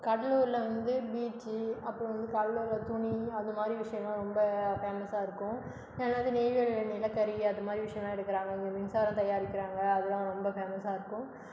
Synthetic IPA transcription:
kɐɽɐluːɾɪlɐʋɐnd̪ɯbiːʈːiɐpːɯɽɐ̃ʋɐnd̪ɯkɐɽɐluːɾlɐt̪ʊɳiɐðɐmaːd̪ɾiʋɪʂɐjɐmãːɾɔmbɐfeːmɐsaːɪɾɯkːʊ̃ | eːnaːðɯneːʋɪɐɭnɪlɐkːɐɾiɐðɐmaːd̪ɾiʋɪʂɐjɐmaːɪɽɯkːɪɾãːŋɡɐɪŋɡemɪnsaːɾɐ̃t̪ɐjaːɾɪkːɪɾaːŋɡɐːðɯðãːɾɔmbɐfeːmɐsaːɪɾɯkːʊ̃

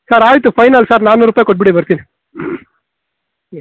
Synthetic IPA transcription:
saːɾaːjt̪ːɯfɐɪnalsaːɾnaːnɯɾɯpːajkɔʈ̚pɪɽeʋɐɾsin

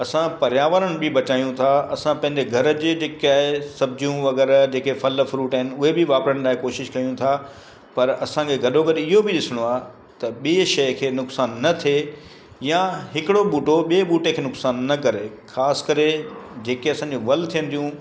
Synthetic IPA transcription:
ɐsãpɐɾjaːʋəɾəɽ̃ɪ̆bɪbɐt͡ɕaːijũt̪ʰaɐsãpɐ̃ɦɪ̃ɲd͡ʑeɡʱɐɾə̆d͡ʑed͡ʑeːkaːɦesɐb̚d͡ʑijũʋɐɡɛːɾd͡ʑeːkefɐlfɾuːʈaɦɪnɪ̆ʊɦebɪʋaːpɾəɽ̃laːɦɪkoːʃɪʃkɐjũt̪ʰa | pɐɾɐsãkʰeɡɐɗoɡɐɗɪɦobʱɪɗɪsɪɽ̃oaː | t̪ɐɓiʃɐjkʰeːnʊksaːnːɐt̪ʰe | jãɦɪkɪɽoɓuːʈoɓieɓuːʈekʰeːnʊksaːnːɐkɐɾe | xʰaːskɐɾed͡ʑeːkeɐsãːɲd͡ʑõʋɐlt̪ʰijə̃nd̪ijũ

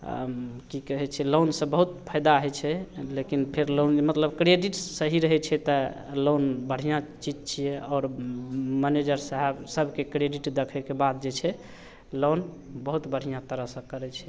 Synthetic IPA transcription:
kikəɦɛt͡ʃʰɛlonsə̃bəɦut̪pʰəjd̪aɦɛt͡ʃʰɛlekinpʰeɾlonmət̪ləbkɾeɖiʈsəɦiɾəɦɛt͡ʃʰɛt̪ɔ | lonbəɽ̤ijãt͡ʃid͡ʒt͡ʃʰijɛɔːɾ | mɛned͡ʒəɾsaɦɛbsəbʱkekɾeɖiʈd̪ekʰɛkebad̪̚d͡ʒet͡ʃʰɛ | lonbəɦut̪bəɽ̤ijãt̪əɾəsə̃kəɾɛt͡ʃʰɛ̥

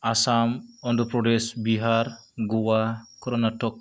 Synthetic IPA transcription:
asamɔnd̪ɔpɾɔɖesbiɦaɾ | ɡuwakɔɾɔnaʈɔk̚

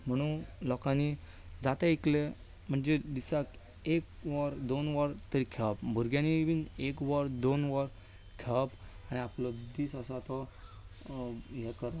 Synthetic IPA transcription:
m̤əɽ̃unlɔkani | d͡zat̪aikle | m̤əɳd͡zed̪isak | ekʋaɾd̪onʋəɾt̪əɾikʰɛʋapbʱuɾɡjanibinekʋəɾd̪onʋəɾ | kʰɛpaniapləbd̪iːsəsat̪ɔ | ɦɛkəɾa

